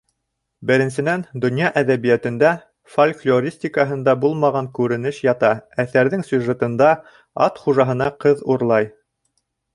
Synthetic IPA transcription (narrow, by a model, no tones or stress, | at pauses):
bɘ̆ɾɘ̆nsɘ̆nænd̪ŏnjɑʔæðæβijæt̪ɘ̆nd̪æ | folʲklʲoɾʲisʲtʲikəɦɤ̆nd̪ɑbulˠmɑʁɑŋkʉɾɘ̆nɘʃjɑt̪ɑæθæɾðɘŋsʲuʒet̪ɤ̆nd̪ɑ | ɑt̪χuʒɑɦɤ̆nɑqɤðuɾlˠɑj